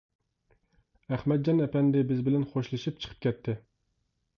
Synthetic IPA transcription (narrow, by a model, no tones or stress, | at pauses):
æχmɛt̪̚d͡ʒɑnɛpɛnd̪ɪbɪzbɪlɛnχoʃlˠɨʃip̚t͡ʃʰə̥qʰə̥p̚kʲɛt̪ʰːɪ